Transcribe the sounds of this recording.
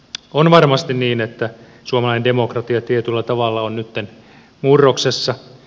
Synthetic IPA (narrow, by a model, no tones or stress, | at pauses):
onʋɑrmɑst̪inniːnet̪ːæ | suomɑlɑjnende̞mo̞krɑt̪iɑt̪iet̪ylːæt̪ɑʋɑlːɑonnyt̪ːen | murːoksesːɑ